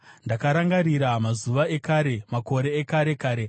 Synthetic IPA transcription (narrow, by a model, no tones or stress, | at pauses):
ndakaɾaŋɡaɾiɾamazuʋae̞kaːɾe̞mako̞ɾe̞ːkaɾe̞kaːɾe̞